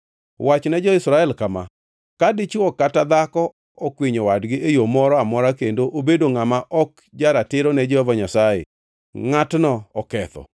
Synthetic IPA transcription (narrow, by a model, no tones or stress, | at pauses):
wat͡ʃnɛd͡ʒɔɪsɾaɛlkama̰ | kadɪt͡ʃɔkatad̪akɔ | ɔkwiɲowadɡɪʔejomɔɾɔamɔɾakendoʔobedoŋamaʔɔk̚ | d͡ʒaɾatɪɾɔnɛd͡ʒɛhɔvaɲasajḛ | ŋatnɔɔkɛt̪ɔ̰